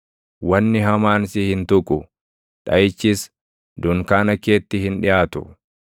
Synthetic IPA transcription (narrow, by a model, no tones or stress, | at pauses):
wɐnːɪɦɐmaːnsɪhɪnt̪ʊkʼʊ | ᶑɐjɪt͡ʃːɪs | d̪ʊŋkaːnɐkeːt̪ːɪhɪnᶑɪjaːt̪ʊ̥̰